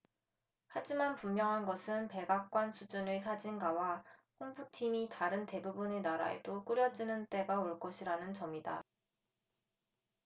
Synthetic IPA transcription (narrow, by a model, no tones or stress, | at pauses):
had͡ʑimanpummjʌŋɦanɡʌsʰɯnpe̞ɡak͈̚wansʰud͡ʑunesʰad͡ʑinɡawaɸʰoŋbʰutʰimitaɾɯnte̞bubunenaɾa̰ḛd̥ok͈uɾjʌd͡ʑinɯnt͈e̞ɡaoɭk͈ʌɕʰiɾanɯnt͡ɕʌmida̰